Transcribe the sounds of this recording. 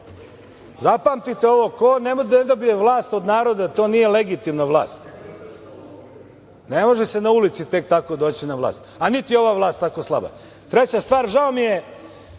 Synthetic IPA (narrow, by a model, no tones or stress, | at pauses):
zapaːmt̪it̪eo̞ʋo̞konemd̪ed̪obijeʋlˠaːst̪od̪naːɾo̞d̪at̪o̞ːnije̞le̞ɡit̪imnaʋlˠa̰ːst̪ | nemo̞ʒesenaulit̪sit̪e̞k̚t̪ako̞d̪o̞ːt͡ɕinaʋla̰ːst̪anit̪ijo̞ʋaʋlˠaːst̪ako̞slˠa̰ba̰ | t̪ɾe̞t͡ɕast̪ʋaːɾʒao̞mije